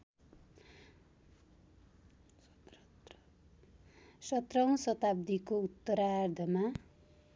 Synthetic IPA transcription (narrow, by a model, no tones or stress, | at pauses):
sʌt̪rʌŋsʌt̪ab̚d̪ikout̪ːʌɾard̪ʱʌma